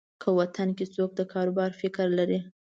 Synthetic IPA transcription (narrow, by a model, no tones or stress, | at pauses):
kʰəwat̪anket͡sok̚d̪əkʰɑɾobɑɾfɪkɾlaɾi